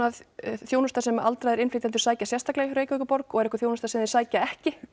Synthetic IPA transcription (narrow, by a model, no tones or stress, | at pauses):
aðθjoːwnʏst̪asɛma̰lt̪ɾajðɛɾɪnfɪt̪ant̪ʏ̥ɾsaːjcasjɛst̪aklɛɣɾeːjkvœkʏpɔɾkɔɣɛɾɛhkːʏ̥θjoːwnʏst̪asɛmðɪɾ̥saːjcaɛhcɪ